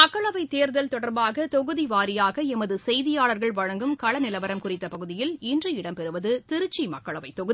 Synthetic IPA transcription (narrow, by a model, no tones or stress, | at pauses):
mɐkːɐɭɐʋɐɪt̪ːeːɾðɐlt̪ɔɽɐɾbaːɣɐt̪ɔɣɯðiʋaːɾɪjaːɣɐɛmɐðɯsɛjðɪjaːɭɐɾɣɐɭʋɐɻɐŋɡɯmkɐɭɐnɪlɐʋɐɾɐmkʊrɪt̪ːɐpɐɣɯðɪjɪlɪndrɐɪɽɐmpɛɾɯʋɐðɯt̪ɪɾɯt͡ʃːimɐkːɐɭɐʋɐɪt̪ːɔɣɯð